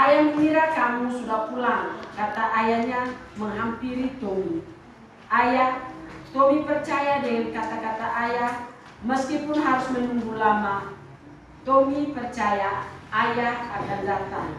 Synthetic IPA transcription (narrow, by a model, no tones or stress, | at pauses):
ʔajaŋmiɾakamusudahpulaŋkat̪aʔajahɲaməŋɦampiɾit̪omi | ʔajaht̪omipərt͡ʃajadəikat̪akat̪aʔajah | məskipʊnɦaɾʊsmənumbulamah | t̪omipərt͡ʃajaʔːjahakandat̪aŋ